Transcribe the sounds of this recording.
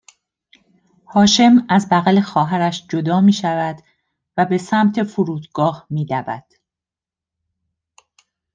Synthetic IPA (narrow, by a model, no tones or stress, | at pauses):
hɒːʃe̞mæzbæɣæle̞xɒːɦæɾæʃd͡ʒo̞d̪ɒːmiːʃævæd̪ | væbe̞sæmt̪ʰe̞foɾuːd̪ɡɒːhmiːd̪ævæ̰d̪̥